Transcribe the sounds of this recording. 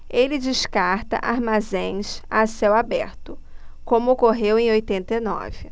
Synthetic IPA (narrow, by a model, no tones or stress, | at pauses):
elɪd͡ʒiʃkaɾt̪ɐ̰ʔaɾmazẽj̃sasewabɛɾt̪ʊkõmʊokoɦewẽj̃ojt̪ẽnt̪ɐenɔ̰vɪ